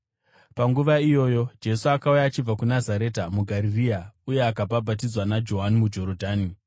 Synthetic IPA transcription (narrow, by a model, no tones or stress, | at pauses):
paŋɡuʋaijo̞jo̞d͡ʒe̞suakaujaːt͡ʃib͡vakunazaɾe̞ːtamuɡʱaɾiriauje̞akababʱat̬id͡zwanad͡ʒo̞ɦanimud͡ʒo̞ɾodʱaːni